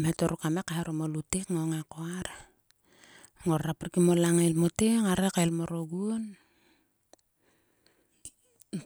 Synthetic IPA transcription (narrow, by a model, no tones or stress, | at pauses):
mhetoɾukamekaɦeɾomolutekŋoŋekoaɾ | ŋorraprkimolaŋajlmoteŋaɾekajlmoɾoɡuon